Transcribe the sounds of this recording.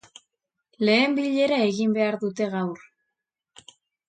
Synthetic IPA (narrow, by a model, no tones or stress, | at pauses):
le̞ːmbiʎe̞ɾae̞ɣimbe̞aɾðut̪e̞ɣ̞awr